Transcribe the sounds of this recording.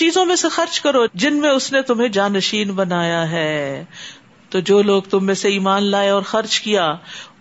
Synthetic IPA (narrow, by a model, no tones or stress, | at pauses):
t͡ʃiːzõmẽsexɐɾt͡ʃkɐɾod͡ʒɪnmẽʊsnẽt̪ʊmɦẽd͡ʒaːnəʃiːnbɐnaːjaɦɛː | t̪oːd͡ʒoːloːɡt̪ʊmːẽseiːmaːnlaːeɔːɾxɐɾd͡ʒkijaː